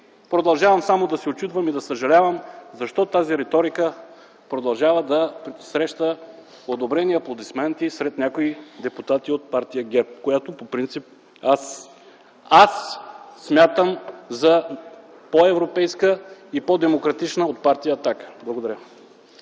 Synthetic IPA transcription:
pɾod̪ɐlˠʒavɐmsamod̪ɐsɛot͡ʃit̪vəmid̪ɐsəʒɐlʲavəmzɐʃt̪ɔt̪aziɾɛt̪ɔɾikə | pɾod̪ɐlˠʒavəd̪ɐpsɾɛʃt̪ə | od̪obɾɛniɐplˠod̪ismɛnt̪isɾɛt̪nʲakoid̪ɛput̪at̪iot̪̚paɾt̪ijəɡɛp̚kojat̪opopɾint̪sip̚ | as | asːmʲjat̪əmzɐ | poɛvɾopɛjskəipod̪ɛmokɾɐt̪it͡ʃnəot̪̚paɾt̪ijəːt̪akə̥blˠɐɡod̪ɐɾʲə

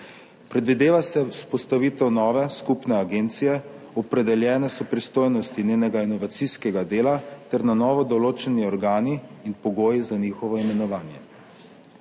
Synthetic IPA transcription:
pɾɛd̪ʋid̪eːʋasɛuspɔst̪aʋiːt̪ɛwnɔːʋɛskupnɛaɡeːnt̪sijɛ | ɔpɾɛd̪ɛljɛːnɛsɔpɾist̪oːjnɔst̪ineːnɛɡainɔʋat̪siskɛɡad̪eːlat̪ɛɾnanɔːʋɔd̪ɔloːt͡ʃɛniɔɾɡaːniːnpɔɡoːjizaniːxɔʋɔimɛnɔʋaːnjɛ

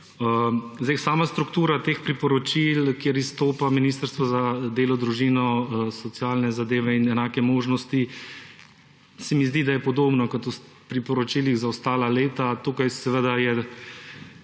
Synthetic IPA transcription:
ə | zd̪ɛɪjsaːmast̪ɾukt̪uːɾat̪eːxpɾipɔɾɔt͡ʃilkjeɾist̪oːpaminiːst̪əɾst̪ʋɔzad̪eːlɔd̪ɾuʒinɔsɔt̪sjaːlnɛzad̪eːʋɛinɛnaːkɛmoːʒnɔst̪i | sɛmizd̪id̪ajɛpɔd̪oːbnɔkɔt̪u | pɾipɔɾɔt͡ʃiːliɣzaɔst̪aːlaleːt̪at̪ukajsɛʋəd̪ajɛ

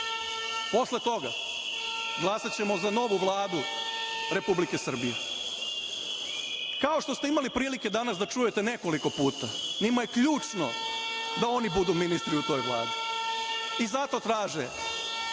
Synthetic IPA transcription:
po̞sle̞t̪o̞ɡa̰ | ɡlˠasat͡ɕe̞mo̞zano̞ʋuʋlˠaːd̪uɾe̞publike̞sr̩bijḛ | kao̞ʃt̪o̞st̪eimalipɾiːlike̞d̪anasd̪at͡ʃuje̞t̪e̞ne̞ko̞liko̞puːt̪animaje̞kʎuːt͡ʃno̰d̪ao̞nibud̪uminist̪ɾiut̪o̞ːjʋlˠa̰ːd̪i | izat̪o̞t̪ɾaːʒe

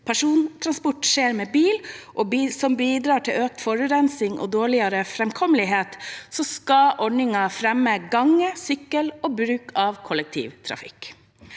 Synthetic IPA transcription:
pʰæʂuːnt̪ʰɾɑnspɔʈʂeːɾmeːbiːlʔɔːsɔmbiːd̪ɾɑːʈʰɪløːk̚t̪fɔɾʉɾɛnsɪŋʔɔ̰ːd̪oːɭɪɑɾəfɾɛmkʰɔməlɪɦeːt̪sɔskɑʔɔɖɳɪŋɑfɾɛmːəɡɑŋːəsʏkːəloːbɾʉːkʰɑʋkʰɔlɛk̚t̪ʰḭːʋt̪ʰɾɑ̰fɪ̰kː

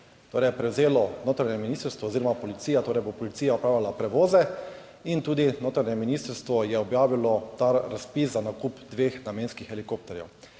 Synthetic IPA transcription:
t̪oːɾɛjɛpɾɛwzeːlɔnoːt̪ɾaɲɛminiːst̪əɾst̪ʋɔːziɾɔmapɔlit̪siːjat̪oːɾɛjbopɔlit̪iːjaɔpɾaːwlʲalapɾɛʋoːzɛ | int̪uːd̪inoːt̪ɾaɲɛminist̪əɾst̪ʋɔjɛɔbjaːʋilɔt̪aɾaspiszanakupd̪ʋeːxnameːnskixɛlikoːp̚t̪ɛɾjɛ̰w

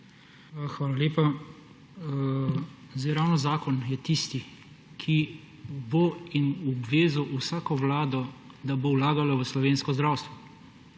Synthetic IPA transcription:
xʋaːlalʲeːpa | zɛɾawnɔzaːkɔnjɛt̪ist̪i | kʰi | boinɔbʋeːzuʔusaːkɔwlaːd̪ɔ | d̪abowlaːɡalɔʋəslɔʋeːnskɔzd̪ɾaːwst̪ʋɔ

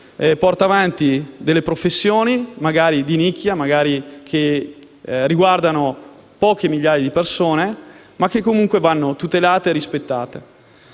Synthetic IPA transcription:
pɔrt̪aːvant̪id̪elːepɾofesːjoːnimaɡaːɾid̪inikːjamaɡaːɾikʰe | riɡward̪ano | pɔːk̟emiʎːaːjad̪ipersoːne | makːekːomuŋkwevanːot̪ut̪elaːt̪eːɾispet̪ːa̰ːt̪e

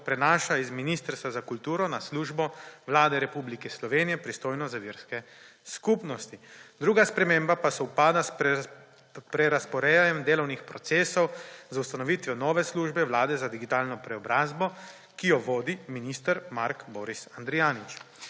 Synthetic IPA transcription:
pɾɛnaːʃaizminiːst̪əɾst̪ʋazakult̪uːɾɔnasluːʒbɔʋlaːd̪ɛɾɛpublikɛslɔʋeːnijɛpɾist̪oːjnɔzaʋiɾskɛ | skuːpnɔst̪id̪ɾuːɡaspɾɛmeːmbapasɔwpaːd̪a | pɾɛɾaspɔɾɛanɛmd̪eːlɔwnixpɾɔt̪seːsɔwzaust̪anɔʋiːt̪ʋɛnɔːʋɛsluːʒbɛʋlaːd̪ɛzad̪iɡit̪aːlnɔpɾɛɔbɾaːzbɔ | kijɔʋoːd̪iminiːst̪əɾmaɾkbɔːɾisand̪ɾijaːnit͡ʃ

